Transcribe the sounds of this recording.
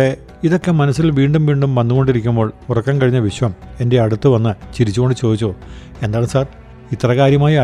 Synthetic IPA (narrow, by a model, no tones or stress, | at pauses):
e | iðo̞kːe̞mɐnɐsːilʋiːɳɖumʋiːɳɖumʋɐnːuɣo̞ɳɖiɾikʲːumbo̞ːɭurɐkːaːnkɐɻiɲːɐʋiɕʋɐme̞nde̞ɐɽut̪ːɨʋɐnːɨt͡ɕiɾit͡ɕːuɣo̞ɳɖɨt͡ɕoːd̪it͡ɕːoː | e̞nd̪aːɳumsaːr | it̪ːrɐɣaːɾjɐmaːjɐ